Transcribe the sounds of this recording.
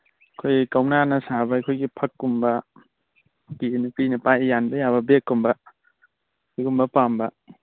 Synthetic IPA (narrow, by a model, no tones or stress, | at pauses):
ɐkʰojkawnanɐsabɐjkʰojɡipʰɐkːumbɐ | kinupinɐpajjanbɐjaβɐbekːumbɐ | jɡumbɐpambɐ